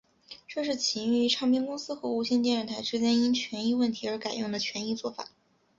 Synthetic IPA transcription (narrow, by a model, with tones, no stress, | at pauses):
ʈ͡ʂɤ˥˧ʂɻ̩˥˩t͡ɕʰi˧˥ny˥˩y˧˥ʈ͡ʂʰɑ˥˧ŋpʰji˥ŋkʊ˥ŋsɹ̩˥xɤ˧˥u˧˥˩ɕjɛ˥˧nt̪jnɻə˥˩nt̪ʰa˧˥ɪʈ͡ʂɻ̩˥t͡ɕjɛ˥ni˥nt͡ɕʰɥɛ˧˥ni˥˧wə˥˩nt̪ʰi˧˥ə˞˧˥ka˨˩ɪjʊ˥˩ŋd̪ə˩t͡ɕʰɥɛ˧˥ni˥˧t͡swɔ˥˩fa̰˨˩˦